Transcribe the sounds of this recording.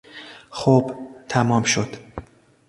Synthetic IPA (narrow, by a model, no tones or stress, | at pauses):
xobt̪ʰæmɒːmʃod̪̥